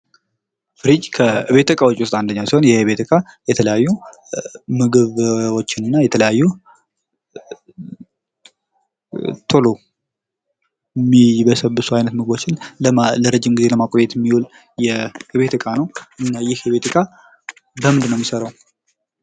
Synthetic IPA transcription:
fɨɾid͡ʒkʰəɨβe̞t̪ɨkʼawot͡ʃʼiwst̪ʼand̪əɲːawsiho̞njɛɨβe̞t̪ʰɨkʼajɛt̪ʰələjajːu | mɨɡɨβwo̞t͡ʃːɪnɨnːajɛt̪ʰələjajːu | t̪ʰolo | mːiβəsəbːɨsuajnət̪mɨɡɨbo̞t͡ʃːɪnləɾəd͡ʒːɪmɡize̞ləmakʼojɛt̪mːiwul | jɛɨβe̞t̪ʰɨkʼanəwʔɨnːajɪhɨβe̞t̪ʰɨkʼa | bəmɨnd̪ɨnəwmisəɾəw

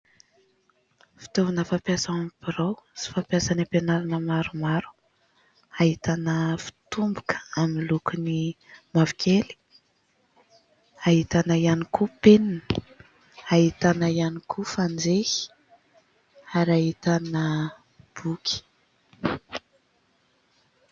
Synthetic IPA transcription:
fi̥t̪ovanəfapjasaamipiɾawsi̥fapjasanipenaɾanəmaɾumaɾu̥ | aɦit̪anəfi̥t̪umbukə̥amilukuni | mavikʰeli̥ | aɦit̪anaianikupeninə̥ | ait̪anaianikʰufand͡zehi̥ | aɾaɦit̪anə | b̥ukʲi̥

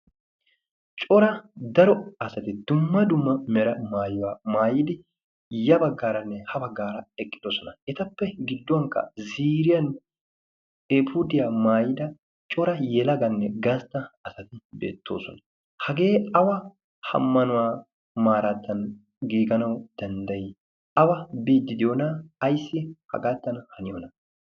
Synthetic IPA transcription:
t͡ʃʼɔɾɐd̪ɐɾɔɐsɐt̪ɪd̪̥ʊmːɐd̪ʊmːɐmɛɾɐmaːjʊwaːmaːjɪd̪ɪ | jɐbɐɡːaːɾɐnːɛhɐbɐɡːaːɾɐɛkʼːɪ̥d̪osɔnɐɛt̪ɐpːɛɡɪd̪ːʊwɐŋkɐ̰ziːɾɪjɐn | epʰuːd̪ɪjamaːjɪd̪ɐ | t͡ʃʼɔɾɐjɛlɐɡɐnːɛɡast̪ɐɐsɐt̪ɪbḛːt̪ʰːo̰ːsɔ̰nɐ | hɐɡeːɐwɐ | hɐ̰mːɐnʊwaː | maːɾaːt̪ːɐn | ɡiːɡɐnɐwd̪̥ɐnd̪ɐʔi | ʔɐwɐbiːd̪ːɪd̪ɪjonaːjsːɪhɐ̰ɡaːt̪ːɐnhɐnɪjɔnɐ

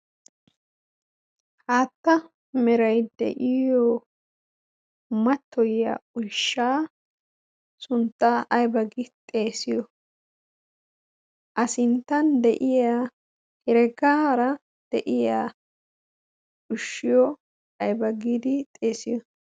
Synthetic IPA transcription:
haːt̪ːɐ | mɛɾɐjd̪ɛ̰ʔɪjɔ | mɐt̪ːɔja̰ʊʃːaː | sʊnt̪ːaːʔɐjbɐɡit̪ʼe̞ːsɪjɔ | ʔɐsɪnt̪ːɐnd̪ɛʔɪjaː | hɛɾɛɡaːɾɐ | d̪̥ɛʔɪjaː | ʊʃːɪjɔ | ɐjbɐɡiːd̪ɪt̪ʼe̞ːsɪjɔ

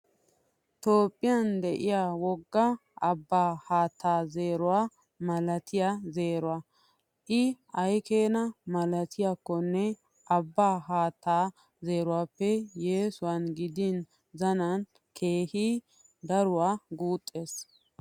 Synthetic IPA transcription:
t̪o̞ːpʼːɪjand̪ɛʔɪjaːwɔɡːɐʔɐbːaːhaːt̪ʰːaːze̞ːɾʊwaː | mɐlɐt̪ʰɪjaze̞ːɾʊwa | ʔɪ | ɐjkeːnɐmɐlɐt̪ʰɪjakːɔnːɛ | ʔɐbːaːɦaːt̪ːaː | ze̞ːɾʊwaːpːɛjeːsʊwanɡɪd̪in | zɐnɐn | kʰe̞ːhi | d̪ɐɾʊwaːɡuːt̪ʼːe̞ːs

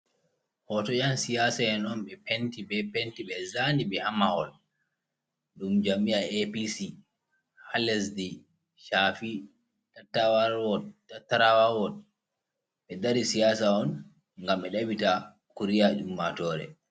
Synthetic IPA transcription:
hɔtɔjansijaːsaɛnɔnɓɛpentiɓɛpentiɓɛzandiɓɛhamahɔ̰l | ɗumd͡ʒamiaepisi | halɛsdi | ʃafi | tatːawaɾwɔdtatːaɾawawɔd̚ | ɓɛdaɾisijaːsaɔn | ŋɡamɓɛɗawita | kuɾijad͡ʒumːatɔːɾɛ̰

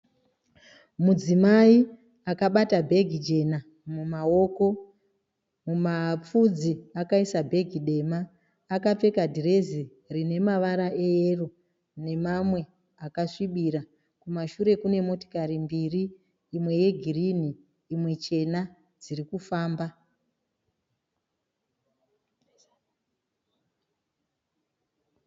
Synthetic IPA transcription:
mud͡zimai | akaɓatabʱe̞ɡʱid͡ʒe̞na | mumao̞ko̞ | mumap͡fud͡ziakaisabʱe̞ɡʱiɗe̞maː | kap͡fe̞kadʱire̞zi | rine̞maʋaɾaʔeero | ne̞mamwe̞ | akaʂiɓiɾa | kumaʃuɾe̞kune̞mo̞to̥kaɾimbiriː | mwe̞je̞ɡʱiriniː | mwe̞t͡ʃe̞na | d͡zirikufaːmba

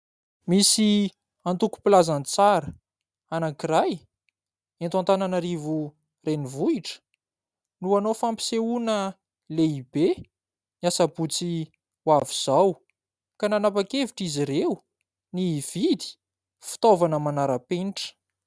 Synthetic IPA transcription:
misi | ant̪uku̥pilazant͡saɾə | anaŋkiraj | ent̪uant̪ananaɾivu | renivuiʈ͡ʂə̥ | nuanofampi̥seunə | leibe | niasabut͡si | waviz̥aw | kananapakeviʈ͡ʂiziɾeu | niv̥id̪i̥ | fi̥t̪ovanəmanaɾapeniʈ͡ʂə̥

